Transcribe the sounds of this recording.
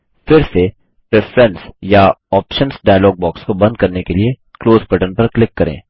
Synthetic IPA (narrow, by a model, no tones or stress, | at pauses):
fɪɾse | pɾɛfɾɛ̃nsjaɔːpʃə̃nsɖaːjlɔːɡ̚bɔːkskobɐ̃nd̪̚kɐɾnekelie | kloːzpɐʈənpɐɾklɪkːɐɾḛ̃ː